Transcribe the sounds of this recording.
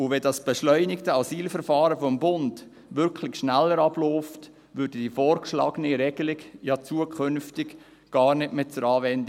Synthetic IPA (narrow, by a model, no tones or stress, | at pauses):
ʊʋɛdɑsb̥əʃlœʏnɪktəɑsiːlfəɾfɑːɾəfɔmbʊnd | ʋʏɾkʰlɪçʃnælːəɾɑb̥lɔːft | ʋʏːɾdəd̥ifɔːrkʃlɑ̰ːɡəniɾɛɡəlɪɡjɑt͡suəkχʏnftɪk | ɡ̥ɑːrnɪtmɪt͡səɾɑːʋɛnd